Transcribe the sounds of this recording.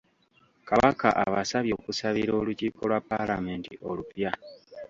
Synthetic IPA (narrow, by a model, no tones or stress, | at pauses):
kaβaka̰ʔaβasaβjo̞kusaβiɾo̞ːluciːko̞lwapːalame̞ːntio̞lupja